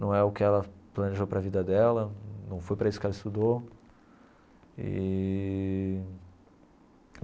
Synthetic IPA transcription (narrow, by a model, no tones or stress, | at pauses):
nɐ̃w̃ɛʊkɪɛlɐplɐ̃neʒowpɾɐvid̪ɐd̪ɛlɐnɐ̃w̃fojpɾɐisʊ̥kɛlɐɪst̪ud̪o | ɪ̰